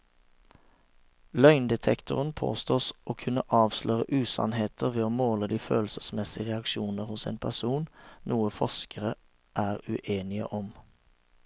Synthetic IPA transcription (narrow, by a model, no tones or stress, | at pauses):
lœʏnd̪ɛt̪ʰɛkt̪ʊ̰ʁənpʰo̰ːst̪oːsʔoːkʰʉnəʔɑːʋslœːʁəʔʉːsɑ̰nheːt̪ʰəʁʋeːoːmoːləd̪iːfø̰ːlsəsmɛsɪəʁɛɑkʃuːnəʁhʊsḛːnpʰæʁsuːnnuːəfɔskʰəʁə | ʔæːʁʉʔeːnɪə̰ʔɔm